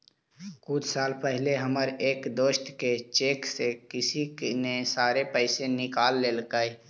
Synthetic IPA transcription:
kʊt͡ʃʰsaːlpəɦɪleɦəməɾeːkd̪oːʃʈ̪ket͡ʃeːksekɪsinesaːɾepəɪsenɪkaːlːeːlkai

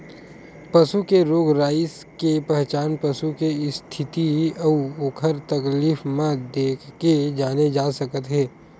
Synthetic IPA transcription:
pɐsukeɾoːɡɾaːɪs | kepɛɦt͡ʃaːnpɐsukeɪst̪ʰɪt̪iɐuoːkʰəɾt̪ɐkliːfmãd̪eːkʰked͡ʒaːned͡ʒaːsəkət̪ɦɛː

